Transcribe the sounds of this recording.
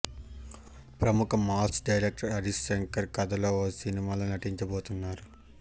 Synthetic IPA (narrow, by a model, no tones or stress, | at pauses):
pɾɐmukɐmaːsɖɐjɾek̚ʈɐɾɐɾiseŋkɐɾkɐd̪ɐlo̞ːoːsinimaːloːnɐʈiɲt͡ʃɐboːt̪unːaːɾu